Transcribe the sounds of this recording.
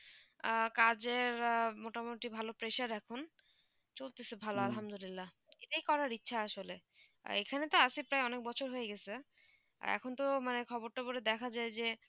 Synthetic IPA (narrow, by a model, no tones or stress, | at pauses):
kad͡ʑeɾmoʈamoʈibʱalopɾeʃaɾɛkʰon | t͡ɕolt̪esebʱaloalɦamd̪olilːa | eʈaijkɔɾaɾitːɕʰaaʃolḛ | ḛkʰanet̪oasipɾaeɔnek̚bɔt͡ɕʰoɾɦojeɡɛt͡ɕʰe | ɛ̰kʰont̪omanekʰɔboɾʈaboɾed̪ɛkʰad͡ʑaed͡ʑe